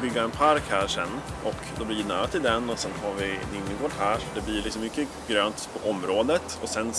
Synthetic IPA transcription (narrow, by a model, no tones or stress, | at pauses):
bʏɡːaɛnpʰaɾkhæːɾʂɛ̰nːʔɔkd̪ɔbliːjnæ̰ːɾat̪ʰɪld̪ɛnːɔsɛnhaɾvɪnʏnːɪŋkoːʈɦæːʂɔɖɛblɪlɪksɔmːʏkːə | ɡɾøːnt̪pʰɔʔɔmɾoːd̪ət̪ɔsɛn